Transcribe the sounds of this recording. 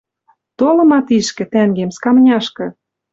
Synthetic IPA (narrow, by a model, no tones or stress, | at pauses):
t̪olɤ̆mɑt̪iʃkɘ̆t̪æŋɡemskɑmnʲɑʃkɤ̆